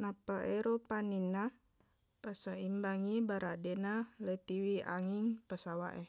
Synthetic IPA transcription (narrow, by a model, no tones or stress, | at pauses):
napaʔeɾopanina | pəsəimbaŋibaɾʔadɛnalət̪iwia̰ŋiŋpəsawa̰ʔɛ